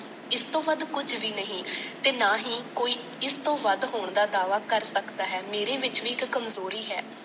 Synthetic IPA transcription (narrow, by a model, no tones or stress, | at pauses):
ɪst̪õːʋəd̪kʊd͡ʒʋiːnəɦĩːt̪eːnaːɦĩːkoːiː | ɪst̪õːʋəd̪ɦoːɳd̪aːd̪aːʋaːkəɾsəkd̪aːɦɛːmeːɾeːʋɪt͡ʃʋiːɪkːəmzoːɾiːɦɛː